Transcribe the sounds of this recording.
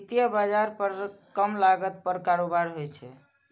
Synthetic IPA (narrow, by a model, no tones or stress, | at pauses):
t̪ijəbad͡ʒaɾpəɾkəmlaɡət̪̚pəɾkaɾobaɾɦojt͡ʃʰɛ̰